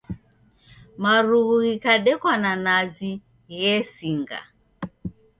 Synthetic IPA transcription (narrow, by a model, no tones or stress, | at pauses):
maɾuɣuɣikaɗɛkwananazi | ɣɛsiŋɡa̰